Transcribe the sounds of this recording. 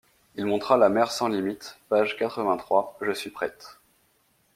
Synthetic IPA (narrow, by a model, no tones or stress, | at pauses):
ilmɔ̃t̪χalamɛʁsɑ̃limit̪paʒkat̪χəvɛ̃t̪χwaʒəsɥipχɛt̪